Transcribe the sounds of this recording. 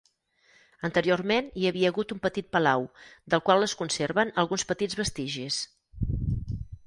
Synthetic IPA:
ənt̪əɾiormeniəβiəːɣut̪umpət̪it̪̚pəlawd̪əlˠkwalˠəskunseɾβənəlˠɣunspət̪id͡zβəst̪iʒis

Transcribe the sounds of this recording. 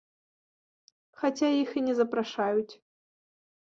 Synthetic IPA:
xat͡sʲajixinʲɛzɐpɾaʂajut͡sʲ

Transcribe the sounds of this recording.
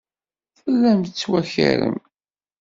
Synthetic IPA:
θəlːæmt̪ət͡sːwæçə̰ɾə̰m

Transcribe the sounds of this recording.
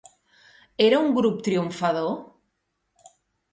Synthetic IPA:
eɾauŋɡɾup̚t̪ɾiuɱfaðo

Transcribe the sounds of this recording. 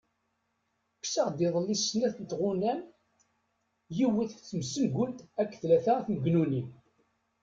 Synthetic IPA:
ksaʁd̪ɪðˤəlːisːnæθənt̪ʁunæn | jiwəθt͡sːəmsəlɡʷʊnt̪ækːθlæθaθməɡnunim

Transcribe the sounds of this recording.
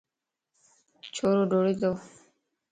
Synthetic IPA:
t͡ɕʰoɾoɖoɽid̪o

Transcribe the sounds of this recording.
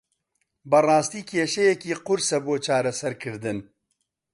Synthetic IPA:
bɐrˤɑːst̪iːkʰeːʃɛjɛkiːqʊɾsɐboːt͡ʃʰaːɾɐsɐɾkʰɨɾd̪ɨn

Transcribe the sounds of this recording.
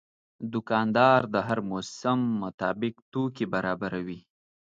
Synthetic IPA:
d̪ʊkɑnd̪ɑɾd̪əɦaɾmosamːʊt̪ɑbɪkt̪okebaɾɑbaɾawi

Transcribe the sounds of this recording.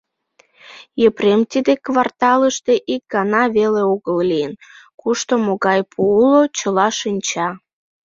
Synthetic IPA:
jəpɾemt̪id̪ekvɑrt̪ɑləʃt̪eʔik̚ɡɑnɑβeleoɣəllijənkuʃt̪omːoɣɑjpʰuulot͡ɕə̆lɑʃinʲt͡ɕɑ

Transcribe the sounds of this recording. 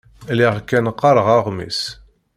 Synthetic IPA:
liʁkːænqːɑɾˤəʁɑʁmḭs

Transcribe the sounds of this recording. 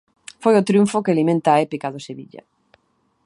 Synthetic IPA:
fojot̪ɾjuɱfokelimẽnt̪aːepikaðoseβḭʎa̰

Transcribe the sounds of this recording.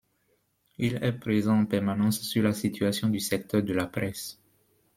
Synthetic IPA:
ilɛpχezɑ̃ːpɛʁmanɑ̃sːyʁlasit̪ʰyasjɔ̃d̪ysɛk̚t̪œʁd̪əlapχɛs

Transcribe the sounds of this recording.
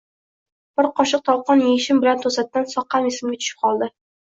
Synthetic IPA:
b̥ɪɾqʰɒʃɨq̚t̪ʰɒlˠqɒnjeɪʃɪmbɪlant̪ʰosat̪̚ːansɒqːɑmɪsɪmɡʲat̪ʰʊ̥ʃɪ̥p̚qʰɒlˠd̪ɪ

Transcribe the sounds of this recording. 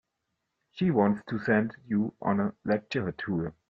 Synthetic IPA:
ʃiwɔ̃ntstʰusɛ̃ndjuʔə̰̃nəlɛk̚t͡ʃəətʰuɹ

